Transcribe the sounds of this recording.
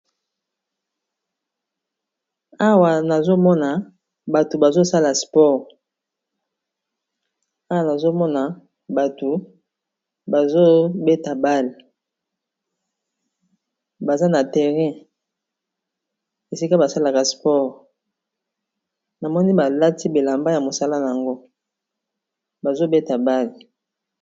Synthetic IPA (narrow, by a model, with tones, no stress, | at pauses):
a˦wa˨na˨zo˦mɔ˦na˨ | ba˨to˨ba˨zo˦sa˦la˨spɔ˦˨ʁ | a˦wa˨na˨zo˦mɔ˦na˨ | ba˨to˨ | ba˨zo˦be˦ta˨ba˦l | ba˨za˦na˨tɛ˨ʁɛ̃˦ | e˨si˦ka˦ba˨sa˦la˨ka˨spɔ˦ʁ | na˨mɔ˦ni˦ba˨la˦ti˦be˨la˨mba˦ja˨mo˨sa˦la˦na˨ja˨ŋɡo˦ | ba˨zo˦be˦ta˨ba˦l